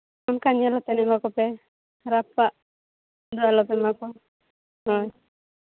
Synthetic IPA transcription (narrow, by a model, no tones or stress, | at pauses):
ɔnkaɲalɔt̪ɛnɛmakɔpɛ | ɾapːaʔ | d̪ualɔpɛmakɔ | hɔj